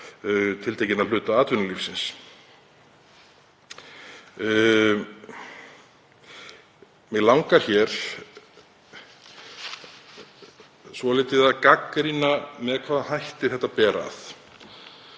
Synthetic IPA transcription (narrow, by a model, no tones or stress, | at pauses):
t̪ʰɪlt̪ʰejcɪnaðl̥ʏːt̪aaːt̪vʏnʏlifsɪns | mɛɣlawŋkaɾ̥çɛɾ̥ | svɔlɪːt̪ɪðaðkakɾinamɛðkʰvaːðhajht̪ɪɾ̥θɛht̪ːapɛːɾa̰θ